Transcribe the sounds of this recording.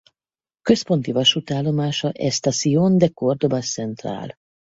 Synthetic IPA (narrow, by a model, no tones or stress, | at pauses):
køspo̞nt̪ivɒʃut̪aːlːomaːʃɒʔɛst̪asioːnd̪ɛkord̪obassɛnt̪ra̰ːl